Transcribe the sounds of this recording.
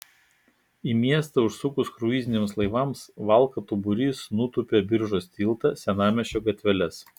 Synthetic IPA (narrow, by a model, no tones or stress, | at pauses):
imʲiɛst̪ɐʊʃsʊkʊskɾuiːzʲɪnʲemslˠɐɪʋɐmsʋɐˑlˠˑkɐt̪ʊbʊɾʲiːsnut̪ʊpʲebʲɪɾʒoːsʲt̪ʲiːlˠt̪ɐsʲɛnɑːmʲɛʃʲoːɡɐt̪ʲʋʲɛlʲɛs